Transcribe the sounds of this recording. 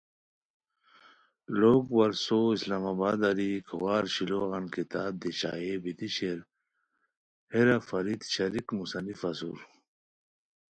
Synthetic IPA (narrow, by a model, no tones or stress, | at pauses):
loːɡwɐɾsoislaːmaːbaːd̪ɐɾikʰɐwaːɾɕiloɣɐnkit̪aːb̚d̪iɕa̰ːebit̪iɕeɾ | heɾɐfɐɾid̪ɕɐɾikmusɐnifɐsṵːɾ